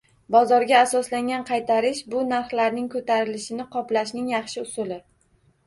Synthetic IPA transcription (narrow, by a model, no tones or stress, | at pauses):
bɒzɒɾɡʲaːsɒslaŋɡʲanqʰɑjt̪ʰaɾɪʃbʊnaɾχlaɾnɪŋkʰɵt̪ʰaɾɪlɪʃɪnɪqʰɒplaʃnɪŋjɑχʃɪʊsʊlɪ